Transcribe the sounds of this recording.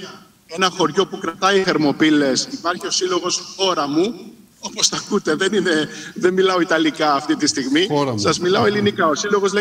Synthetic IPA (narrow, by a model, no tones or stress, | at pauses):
e̞nɐxo̞ɾʝo̞pukɾɐt̪ɐiθeɾmo̞pile̞sipɐɾçio̞silo̞ɣo̞sxo̞ɾɐmu | o̞po̞sθɐkut̪e̞ðe̞nine̞ðemmilɐo̞it̪ɐlikɐːft̪it̪ist̪iɣmiɾɐsɐzmilɐo̞e̞linikɐo̞silo̞ɣo̞zle